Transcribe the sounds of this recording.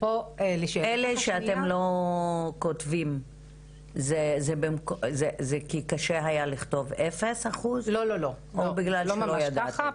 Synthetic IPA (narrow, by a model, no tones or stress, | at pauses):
poeleʃeleʃeat̪emlo̞ | kotvim | zezebemkozezekikaʃeɦajaliχt̪o̞vefe̞shaχuzlololo | obiɡlalʃelojjad̪t̪